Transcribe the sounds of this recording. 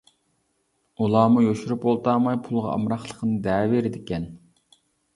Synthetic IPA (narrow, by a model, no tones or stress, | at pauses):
ulˠɑːmujoʃuɾypolˠt̪ɑːmɑjpʰulˠʁɑ̰ɑ̰mɾɑχlˠəqʰənɨd̪ɛːveɾɪd̪ɪkʲɛn